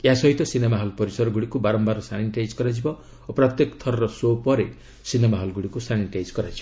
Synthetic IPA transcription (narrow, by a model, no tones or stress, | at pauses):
jeasɔɦit̪ɔsinemaɦɔlpɔɾisɔɾɔɡuɽikubaɾɔmbaɾɔsalinʈajd͡ʒkɔɾad͡ʒibɔ | opɾɔt̪jekt̪ʰɔɾɔɾɔsopɔɾe | sinemaɦɔlɡuɽikusaliʈajd͡ʒkɔɾad͡ʒibɔ